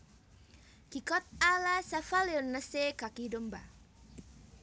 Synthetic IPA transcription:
kikɔt̪̚alasafaleɔnːəsekakidɔmba

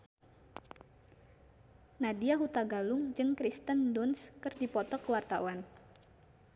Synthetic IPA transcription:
nadiaɦut̪aɡalʊŋd͡ʒɨŋkɾist̪əndunskɨrdipɔt̪ɔkəwart̪a̰wan

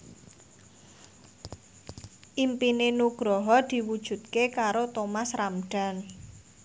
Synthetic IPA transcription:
ʔimpinenuɡ̥ɾɔɦɔd̪̥i̤wud̥ʒ̥ṳt̪̚kekaɾot̪omasramɖ̥a̤n

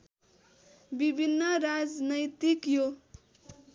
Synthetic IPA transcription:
bibʱinːʌɾad͡znʌjt̪ikjo

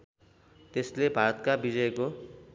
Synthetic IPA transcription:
t̪eslebʱaɾʌt̪̚kabid͡zʌeko

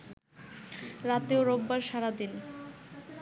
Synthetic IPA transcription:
ɾat̪eoɾobːaɾʃaɾad̪in

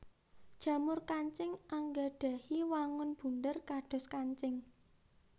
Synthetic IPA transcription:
d̥ʒ̥ä̤mʊrkaɲt͡ʃɪŋaŋɡaɖ̥a̤hiwaŋʊnb̥ṳnd̪ərkaɖ̥ɔ̤skaɲt͡ʃɪŋ

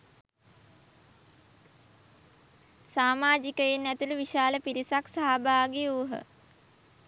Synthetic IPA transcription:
saːmaːd͡ʒikəenːæt̪uluʋiʃaːləpiɾisaksaɦabaːɡeuːɦə̰

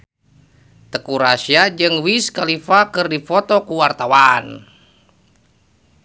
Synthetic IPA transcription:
t̪əkuɾasiad͡ʒɨŋwiskalifakɨrdifɔt̪ɔkuwart̪awan

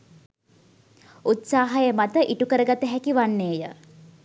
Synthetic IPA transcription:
ut̪saːɦajəmat̪əʔiʈukəɾəɡat̪əɦækiʋanːeːjə

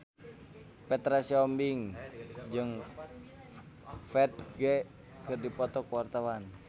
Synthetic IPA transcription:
pɛt̪ɾasiɔmbiŋd͡ʒɨŋ | fɛt̪̚ɡɛ | kɨrdipɔt̪ɔkwart̪awan

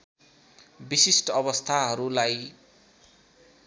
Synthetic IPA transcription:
bisisʈʌʌbʌst̪ʰaɦʌɾulaj

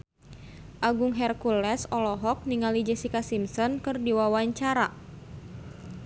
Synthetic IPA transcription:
ʔaɡuŋɦɛrkulɛsɔlɔɦɔk̚niŋalid͡ʒɛsikasimsɔnkɨrdiwawaɲt͡ʃaɾa

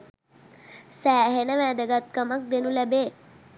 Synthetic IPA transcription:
sæːɦenəʋæːd̪əɡat̪̚kəmak̚d̪enulæbeː

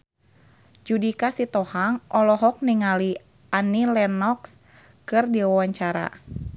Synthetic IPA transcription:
d͡ʒudikasit̪ɔhaŋʔɔlɔɦɔk̚niŋali | anilɛnɔks | kɨrdiwawaɲt͡ʃaɾa̰

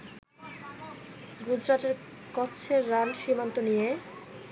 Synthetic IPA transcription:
ɡud͡ʑɾaʈeɾ | kɔtːɕʰeɾːanʃimant̪onije

